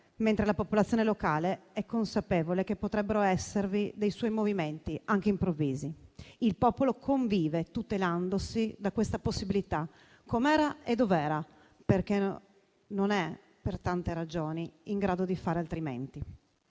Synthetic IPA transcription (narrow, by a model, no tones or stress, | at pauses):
ment̪ɾelapopolat̪sjonelokaːleɛkːonsapeːvolek̟epːot̪ɾɛbːeɾoɛsːervid̪ejswɔjmoviment̪iaŋk̟eimpɾovːiːziilpɔːpolokʰoɱviːvet̪ut̪eland̪osid̪akwest̪aposːibilit̪a | kːomɛːɾaed̪ovɛːɾa | perk̟e | nonɛ | pert̪ant̪eɾad͡ʒoːniiŋɡɾaːd̪od̪ifaːɾealt̪ɾimḛnt̪i